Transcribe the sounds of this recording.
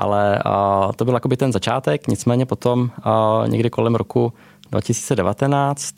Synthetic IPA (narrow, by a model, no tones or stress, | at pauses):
ʔa̰lɛt̪obɪljakobɪt̪ɛnzat͡ʃaːt̪ɛkɲɪt͡smɛːɲɛpo̞t̪omɲɛ̰ɡdɪkolɛmɾoku | dva̰cɪsi̥ːt͡sɛdɛvat̪ɛnaːt͡st̪